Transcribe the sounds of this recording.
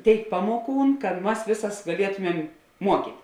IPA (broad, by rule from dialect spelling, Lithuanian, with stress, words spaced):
ˈtʲeːɪk ˈpɑːmoːˌkuːn kɐt ˈmɐs ˈʋʲeːsɐs ɡɐˈlʲiɛtʊmʲɛm ˈmuɔkʲiːtʲ